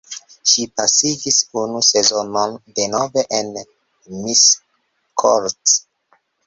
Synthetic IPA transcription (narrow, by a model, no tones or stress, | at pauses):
ʃipasiɡisunuse̞zo̞nonde̞nove̞ʔen | mis | kʰoɾt